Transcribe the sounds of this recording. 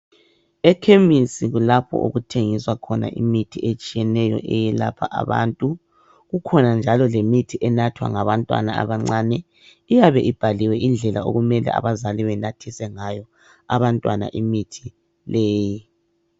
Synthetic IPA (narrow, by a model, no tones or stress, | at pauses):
ɛkʰemisiɣulapʰɔ̰ʔo̰ɣutʰeŋiswakʰɔna̰ʔḭmitʰiet͡ʃʼijɛnɛjɔ̰ʔɛjɛla̰pʰa̰ʔa̰βa̰ːntʼu | ɣukʰɔnand͡ʒʱalɔlemitʰiʔɛnatʰwa̰ŋaβantʼwa̰naa̰βaŋ͡ǀanɛ | ijaβɛʔib̥ʱaliwɛʔind͡ɮʱɛlao̰ɣumɛlɛ̰a̰βazaliβɛnatʰisɛŋajɔ | a̰βantʼwana̰ʔimitʰi | leːji